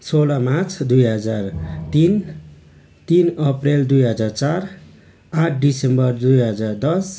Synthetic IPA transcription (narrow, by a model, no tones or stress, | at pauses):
solamat͡sʰd̪ujɦʌd͡zart̪in | t̪inʌpreld̪ujɦʌd͡zart͡sar | aʈʰɖisembʌrd̪ujɦʌd͡zard̪ʌs